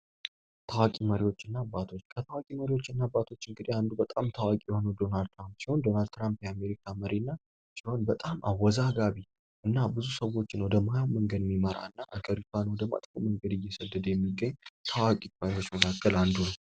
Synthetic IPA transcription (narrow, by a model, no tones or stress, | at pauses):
t̪ʰawakʼiməɾiwo̞t͡ʃːɨnːaːbːat̪ʰo̞t͡ʃːkʰət̪ʰawakʼiməɾiwo̞t͡ʃːɨnːabːat̪ʰo̞t͡ʃːɨŋɡɨd̪iand̪ubət̪ʼamt̪ʰawakʼijɪho̞nəwd̪o̞nald̪̚t̪ʰɾampsiho̞nd̪o̞nald̪t̪ʰɾampjɛame̞ɾikʰaməɾinːa | siho̞nbət̪ʼamʔawːɔzaɡaβi | ʔɨnːabɨzusəwo̞t͡ʃːɪnwɔd̪əmajawməŋɡəd̪mːiməɾa̰ɨnːaʔaɡəɾit̪ʰanəwɔd̪əma̰t̪ʼkoməŋɡəd̪ɨjːɛsəd̪ːəd̪jɛmːiɡːəɲːt̪ʰəwakʼiməɾiwo̞t͡ʃːməkʰakʰːəland̪unəw